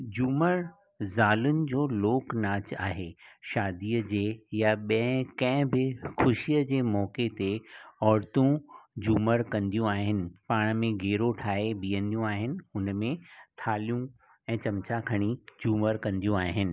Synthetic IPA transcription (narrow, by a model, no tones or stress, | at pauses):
d͡ʑuːməɾ | zaːlʊnɪ̆d͡ʑoːloːknaːt͡ɕaːɦeʃaːd̪iːəd͡ʑeːjaɓɐ̃ɦkɐ̃ɦɪ̃bɪxʰʊʃijəd͡ʑeːmɔːket̪eɔːɾt̪ũd͡ʑuːməɾkɐ̃nd̪ijũaːɦɪnɪ̆paːɽ̃mẽɡeːɾoʈʰaːeɓiːə̃nd̪ijũaːɦɪnɪ̆ʊnmẽt̪ʰaːlijũ | ɛ̃ːt͡ɕɐmt͡ɕakʰɐɽ̃id͡ʑuːməɾkɐ̃nd̪ijũaːɦɪnɪ̆